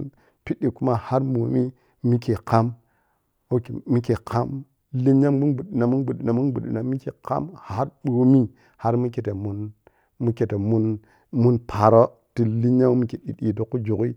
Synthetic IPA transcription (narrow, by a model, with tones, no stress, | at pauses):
n | pi˦ɗi˨ku˦ma˦ha˦ɾmo˨mi˦ | mi˦ke˨ka˦m | o˦ke˨mi˦ke˨kʰa˦m | li˦ɲa˦mmu˦nbu˨ɗi˨na˨mu˦bu˨i˨na˨mu˦nɡ͡bu˨ɗḭ˨na˨mi˦ke˨ka̰˦mha˦ɾɓo˨mi˦ | ha˦ɾmu˦ke˨te˨mu˦n | mu˦ke˨te˨mu˦n | mu˦npʰa˨ɾo˦ | ti˦li˦ɲ˦a˦u˦mi˦ki˨ɗi˨ɗi˨to˦kːu˦d͡ʒu˨ki˦